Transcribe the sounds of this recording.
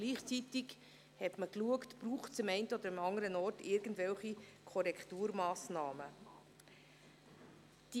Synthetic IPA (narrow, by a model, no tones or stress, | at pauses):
ɡ̥liːχt͡sitiɡ | hɛtməkluəktb̥ruːχt͡sɪmɛɪntəɔd̪əɾimɑŋəɾənɔrtɪɾɡən̩dvɛlχikʰɔɾɛktuːɾmɑːsnɑːmə | d̥i